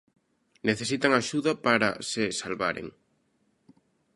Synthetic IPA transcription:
neθesit̪aŋaʃuðapaɾa̰sesalβa̰ɾḛŋ

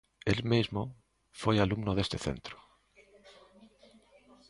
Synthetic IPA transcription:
elmizmo | fojalumnoð̞est̪eθḛnt̪ɾo̥

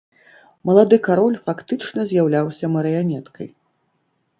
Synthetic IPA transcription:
mɐlˠad̪ɨkaɾɔlʲfakt̪ɨt͡ʂnɐzʲjawlʲawsʲɐmɐɾɨjamʲɛt̪kɐ̰j

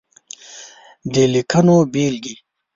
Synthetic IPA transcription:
ɖeːlikʰɐnoːbiːlɡi

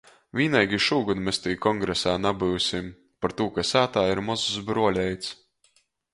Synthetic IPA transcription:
vʲiːnɛjɡʲiʃuːɡunmest̪ijkɔŋɡɾɛsaːnabɨwsʲim | paɾt̪uːkasæːt̪aːiɾmɔzuzbɾuɔlʲɛjt̪s

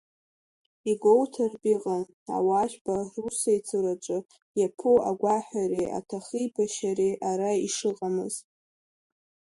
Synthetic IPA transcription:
iɡʷowtʰarbʼiqʼa | a̰waʒʷᶣbarusajt͡sʰɨɾat͡ʃʷʼɨ | japʰuaɡʷaħʷᶣaɾea̰tʰaχijbaʃaɾeʔaɾaiʂɨqʼamɨ̰z̥

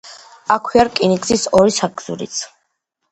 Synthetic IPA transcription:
akʰwiaɾkʼinikʼsisɔɾisaɡz̥ṵɾḭt̪sʰ

